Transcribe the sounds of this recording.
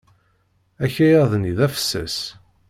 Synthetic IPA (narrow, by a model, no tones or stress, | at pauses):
æçæjæðniðæfə̥sːæ̰s